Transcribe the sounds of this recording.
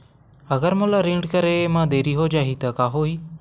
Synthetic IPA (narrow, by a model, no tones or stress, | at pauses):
əɡəɾmolaɾĩːɳɖkəɾeːmãːd̪eːɾiːɦoːd͡ʒaːɦiːt̪əkaːɦoːiː